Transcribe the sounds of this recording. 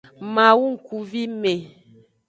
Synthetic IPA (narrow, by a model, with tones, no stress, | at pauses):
ma˨wu˦ŋ̩˨ku˨vi˦me˨